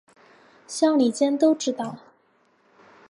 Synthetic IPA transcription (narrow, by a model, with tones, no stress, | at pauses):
ɕjɑ˥˩ŋli˨˩t͡ɕjɛ˥nt̪o˥ʊʈ͡ʂɻ̩˥t̪ɑ˥˩ʊ